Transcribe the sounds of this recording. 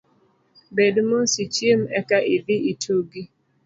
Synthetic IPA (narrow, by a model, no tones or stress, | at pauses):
bedmosit͡ʃjemɛkaʔid̪iitʰuɡi